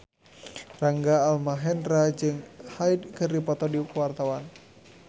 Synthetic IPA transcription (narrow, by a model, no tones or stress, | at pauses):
raŋɡaːlmaɦɛnrad͡ʒɨŋhajdkɨrdipɔt̪ɔdikwart̪awan